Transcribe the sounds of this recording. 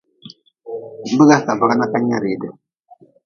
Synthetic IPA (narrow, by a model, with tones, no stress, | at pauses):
bə˦ɡa˦ka˨va˨ɣa˦na˦ka˦ɲa˦ɾi˨də˨